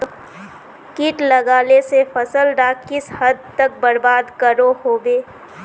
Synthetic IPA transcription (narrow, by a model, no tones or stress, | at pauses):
kɪʈlɐɡaːlesefʰəsəlɖaːkɪshəd̪̚ʱt̪ək̚bəɾbaːd̪kəɾoɦoːbeː